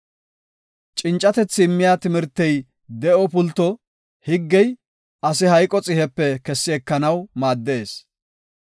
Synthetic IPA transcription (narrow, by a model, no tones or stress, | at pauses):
t͡ʃʼɪnt͡ʃʼːɐt̪ɛt͡sːɪmːɪjaːt̪ɪmɪɾt̪ːɛj | d̪ɛʔɔpʊlt̪ːɔ | hɪɡːɛj | ʔɐsɪɦɐjkʼɔt͡sʼɪhɛpːɛkɛsːɪɛkːɐnɐwmaːd̪ːeːs